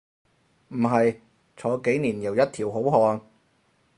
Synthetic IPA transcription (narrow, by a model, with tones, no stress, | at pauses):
m̩˨˩ɦɐ˨j | t͡sʰɔː˨˥ke˨˥jniː˨˩njɐ˨˩wjɐ˥t̪̚ʰiː˨˩wɦo˨˥whɔː˨˧ŋ